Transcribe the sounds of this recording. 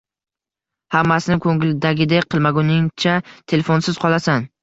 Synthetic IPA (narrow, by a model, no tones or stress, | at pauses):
hamːasɪnɪkʲʰɵŋɪlɪd̪aɡʲɪd̪ek̚ʲqʰɨlˠmaɡʊnɪŋt͡ʃʰat̪ʰe̞lefonsɪz̥qʰɒlˠasan